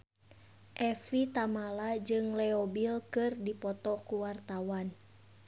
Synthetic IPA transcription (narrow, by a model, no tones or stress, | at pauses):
ʔɛfit̪amalad͡ʒɨŋlɛobilkɨrdipɔt̪ɔkuwart̪awan